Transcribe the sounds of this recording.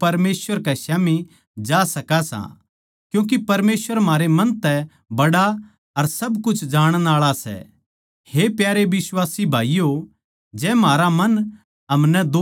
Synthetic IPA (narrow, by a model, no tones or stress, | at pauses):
ɐɾmeːsʋəɾkɛʃaːmi | d͡ʒaːsɐkasã̰ | kjũːk̬ipɐɾmeːsʋəɾmaːɾemɐ̃nt̪ɛ | bɐɽa | ɐɾsɐbkʊt͡ʃʰd͡ʒaːɽ̃naːɭasɛ̰ | hepjaːɾeʋɪswaːsibʱaːijo | d͡ʒɛːmaːɾamɐn | ɦɐmnɛd̪o